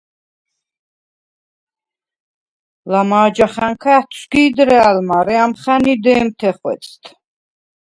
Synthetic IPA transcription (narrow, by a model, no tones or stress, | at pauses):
lamaːd͡ʒaχaŋkʰaːt̪ʰʃɡiːd̪ɾaːlmaɾɛamχanid̪ɛːmt̪ʰɛχwɛ̰t̪sʰʼt̪ʰ